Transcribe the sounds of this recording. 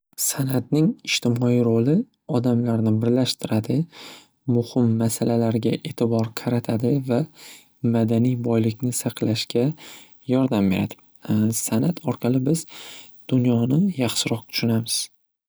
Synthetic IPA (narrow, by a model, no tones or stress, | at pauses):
sanat̪̚nɪŋɪʃt̪ʰɪmɒiɾolɪ | ɒd̪amlaɾnɪbɪɾlaʃt̪ʰɪɾad̪ɪ | mʊhɪmːasalalaɾɡʲaʔet̪ʰɪbɒɾqʰɑɾat̪ʰad̪ɪva | mad̪anijbɒjlɪkʲnɪsɑqʰlaʃkʲa | jɒɾd̪ambe̞ɾa̰d̪ɪ̥ | sanat̪ʰɒɾqʰɑlˠɪbɪz̥ | d̪̥ʊnjɒnɪjɑχʃɪɾɒq̚t̪ʰʊ̥ʃʊnamɪz̥